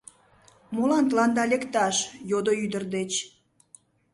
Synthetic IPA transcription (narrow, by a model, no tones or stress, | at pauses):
molɑnt̪lɑnd̪ɑlʲekt̪ɑʃjod̪oyd̪ərd̪et͡ɕ